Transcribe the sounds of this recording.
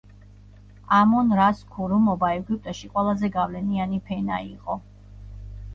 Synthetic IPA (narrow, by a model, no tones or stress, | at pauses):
amɔnɾaskʰuɾumɔbaɛɡip̚t̪ʼaʃiqʼwɛlˠazɛɡavlɛnianipʰɛnaiqʼɔ